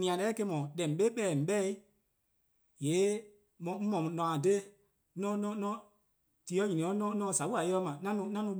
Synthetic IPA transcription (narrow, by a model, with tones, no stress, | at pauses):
nĩ˨ã˨lɛː˨˦ke˧mɔ̃˨dɛ̃˨m̩˨ɓe˦ɓɛ˦˨ɛ˨m̩˨ɓɛ˦i˦ | jeː˨˦ | mɔ̃˨m̩˦mɔ̃˨nɔ̃˨ã˨de˦ | nɔ̃˦nɔ̃˦nɔ̃˧˦ | ti˨˦ɔ˧˦ɲĩ˨ĩ˨ɔ̃˨˦nɔ̃˦nɔ̃˧˦sa˨ɓu˦a˨je˦ɔ˧˦mã˨nã˦nũ˧nã˦nũ˧˦